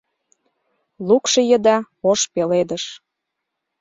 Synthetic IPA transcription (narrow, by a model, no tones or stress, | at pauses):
lukʃɤ̆jəd̪ɑ | oʃpeled̪əʃ